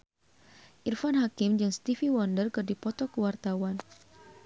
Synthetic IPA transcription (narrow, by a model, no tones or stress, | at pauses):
ʔirfanɦakɪmd͡ʒɨŋst̪ifiwɔndərkɨrdipɔt̪ɔkəwart̪awan